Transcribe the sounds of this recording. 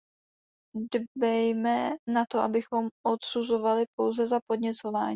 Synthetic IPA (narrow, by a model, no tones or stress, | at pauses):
dbɛjmɛnat̪o̞ʔabɪxo̞mʔo̞t̪suzo̞valɪpo̞wzɛzapodɲɛt͡so̞vaːɲ